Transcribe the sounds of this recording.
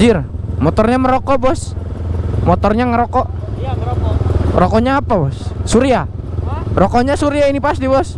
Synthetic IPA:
irmɔt̪ɔrɲaməɾɔkɔbɔs | mɔt̪ɔrɲaŋəɾɔkɔʔ | ɾɔkɔɲaːpabɔsːuɾia | rɔkɔɲasuɾiainipast̪ibɔs

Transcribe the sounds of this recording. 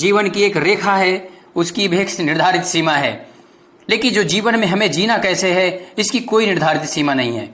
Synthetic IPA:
d͡ʒiːʋənkieːkɾeːkʰaɦɛ | ʊskibʱieːknɪɾd̪ʱaːɾɪt̪siːmaɦɛ̰ː | leːkɪnd͡ʒoːd͡ʒiːʋənmẽɦɐmẽd͡ʒiːnakɛːseɦɛɪskikoːinɪɾd̪ʱaːɾɪt̪siːmanɐɦĩɦɛ̰ː

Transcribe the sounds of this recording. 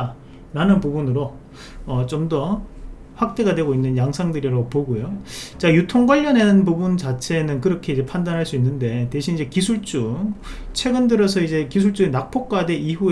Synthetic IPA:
ɾanɯnpubunɯɾo | ʌt͡ɕomdʌ | ɸwak̚t͈e̞ɡadwe̞ɡoinːɯnjaŋsʰaŋdɯɾiɾopoɡojot͡ɕajutʰoŋɡwaʎːʌne̞nɯnpubunt͡ɕat͡ɕʰe̞nɯnkɯɾʌkʰe̞id͡ʑe̞pʰandanɦaɭs͈uinːɯnde̞te̞ɕʰinid͡ʑe̞kisʰuɭt͡ɕ͈u | t͡ɕʰwe̞ɡɯndɯɾʌs̬ʰʌid͡ʑe̞kis̬ʰuɭt͡ɕ͈uenak̚p͈ʰok̚k͈wade̞iɦue

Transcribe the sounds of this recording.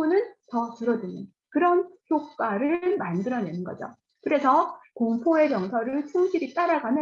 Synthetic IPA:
unɯntʌtɯɾʌdiɲɯn | kɯɾʌnçʰjok̚k͈aɾɯɭmandɯɾʌne̞nɯnɡʌd͡ʑo̰ | kɯɾe̞sʰʌkoŋpʰoe̞kjʌŋsʰʌɾɯɭt͡ɕʰɯŋɕʰiɾit͈aɾaɡanɯ

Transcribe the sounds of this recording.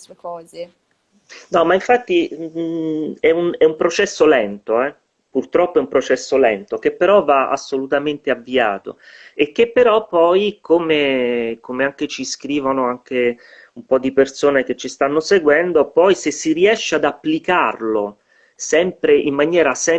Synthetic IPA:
kɔːze | nɔmaiɱfat̪ːi | ɛunɛumpɾot͡ʃɛsːolɛnt̪oɛ | purt̪ɾɔpːoɛumpɾot͡ʃɛsːolɛnt̪ok̟epːeɾɔvaa̰sːolut̪ament̪eavːia̰ːt̪o̰ek̟ːepːeɾɔpːɔjkomekomeaŋk̟et͡ʃiskɾiːvonoaŋk̟e | umpɔd̪ːipersoːnek̟et͡ʃːist̪anːoseɡwɛnd̪opɔjsesːiriɛʃːead̪apːlikarlo | sɛmpɾeʔimːanjɛːɾasɛ

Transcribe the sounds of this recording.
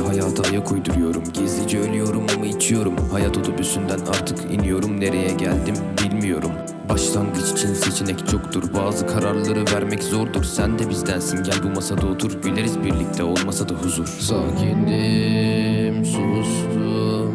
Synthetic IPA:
hajaːt̪ʰɯajakʰujd̪uɾujo̞ɾumɟizlʲid͡ʒɛølʲyjo̞ɾumamɯit͡ʃʰijo̞ɾumhajaːt̪ʰod̪upysynd̪ænaɾt̪ʰɯkʰḭnijo̞ɾumne̞ɾe̞jɛɟælʲd̪im | bilʲmijo̞ɾum | baʃlˠanɡ̪ɯt͡ʃi̥t͡ʃʰinse̞t͡ʃʰinɛct͡ʃʰo̞kt̪ʰuɾbaːzɯkʰaɾaɾlˠaɾɯvæɾmɛczo̞ɾd̪uɾsænd̪ɛbizd̪ænsinɟælʲbumasad̪aot̪ʰuɾbilʲe̞ɾizbiɾlʲic̚t̪ʰɛo̞lˠmasad̪aɦuzuɾ̥saːcʰind̪i | msonust̪ʰu

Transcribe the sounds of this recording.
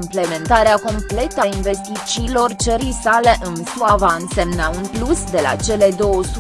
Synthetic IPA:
mple̞me̞nt̪aɾeako̞mple̞t̪əainve̞st̪it͡ʃiːlo̞rt͡ʃəɾijsale̞ʔɨnsuavaɨnse̞mnaunplusd̪ela̰t͡ʃe̞le̞d̪o̞wəsu

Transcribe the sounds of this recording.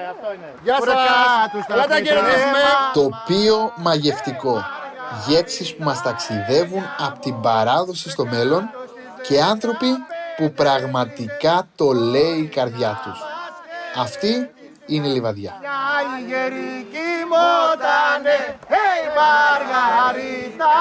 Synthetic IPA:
ɐt̪ɐeɾðisumet̪o̞pio̞mɐʝe̞ft̪iko̞ʝe̞psispumɐst̪ɐksiðe̞vunɐpot̪imbɐɾɐðo̞sist̪o̞me̞lo̞n | ce̞ɐnθɾo̞pipupɾɐɣmɐt̪ikɐt̪o̞le̞iːkɐɾðʝɐt̪us | ɐft̪i | inelivɐðʝɐ

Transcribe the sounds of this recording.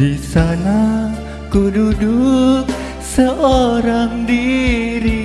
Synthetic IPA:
isana | kududuk | səʔoɾaŋdiɾi

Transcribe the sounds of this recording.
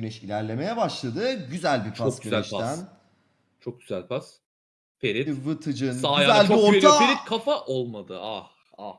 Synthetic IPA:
ønɛʃilʲæɾlʲe̞me̞jɛbaʃlˠad̪ɯɟyzælʲbipʰaosyøæeʃad̪æn | t͡ʃʰo̞k̚ɟyzælʲpʰas | pʰeɾitvɯt̪ʰɯd͡ʒɯnsajazælʲuond̪aeɾikʰafaʔolˠmad̪ɯa | a

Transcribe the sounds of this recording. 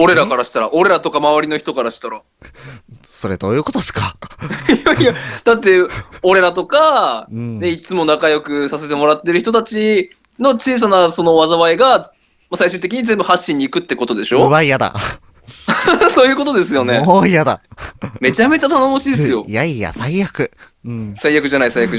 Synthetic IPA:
o̞ɾe̞ɾakaɾaɕi̥t̪aɾaʔo̞ɾe̞ɾat̪o̞kamaβaɾʲino̞çi̥t̪o̞kaɾaɕi̥t̪aɾa | so̞ɾed̪oːjɯ̟ko̞t̪osɨ̥kajaijad̪̥at̪ːe̞o̞ɾe̞ɾat̪o̞ka | ne̞it͡sɨmo̞nakajo̞kɯ̟sase̞t̪̬e̞mo̞ɾat̪ːe̞ɾɯçit̪ot̪at͡ɕi | no̞t͡ɕiːs̬anaso̞no̞βazaβaiɡa | masaiɕɨːt̪̬ekʲiɲ̟izẽ̞mbɯ̟haɕːĩɲ̟ːiːkɯ̟t̪ːe̞ko̞t̪o̞d̪e̞ɕo̞βaijad̪a̰ | so̞ːjɯ̟ːko̞t̪o̞d̪e̞sɨjo̞ne̞oijad̪a̰me̞t͡ɕame̞t͡ɕat̪ano̞mo̞ɕid̪esɨjo̞jaija̰saiːakɯ̟̃ | saijakɯ̟ʑanaisajakɯ̟

